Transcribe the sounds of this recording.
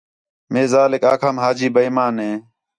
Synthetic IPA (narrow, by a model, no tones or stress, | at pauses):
meːzaːlɪkaːkʰaːmɦaːd͡ʒiːbəiːmaːnɦẽː